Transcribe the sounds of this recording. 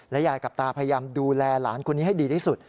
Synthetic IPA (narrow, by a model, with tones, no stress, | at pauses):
lɛ˦˥jaː˨˩kːa˨˩p̚t̪aː˧pʰa˧ja˧jaː˧mduː˧lɛː˧la̰ː˩˦nkʰo˧nːiː˦˥ha˥˩jdiː˧t̪ʰiː˥˩su˨˩t̪̚